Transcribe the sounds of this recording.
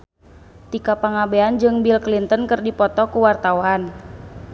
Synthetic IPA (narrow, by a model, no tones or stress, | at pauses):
t̪ikapaŋabeand͡ʒɨŋbilklint̪ənkərdipɔt̪ɔkuwart̪awan